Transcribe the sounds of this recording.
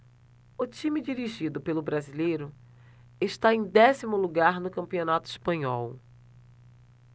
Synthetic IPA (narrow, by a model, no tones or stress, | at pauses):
ʊt͡ʃĩmid͡ʒiɾiʒid̪ʊpelʊbɾazilejɾʊ | eʃt̪aẽj̃d̪ɛsimʊluɡaɾnʊkɐ̃mpionat̪ʊispɐ̃ɲɔw